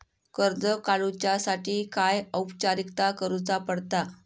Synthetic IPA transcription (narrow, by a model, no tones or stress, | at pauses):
kəɾd͡zəkalut͡ɕasaʈʰiːkajəwpt͡ɕaɾikt̪akəɾut͡sapəɽt̪a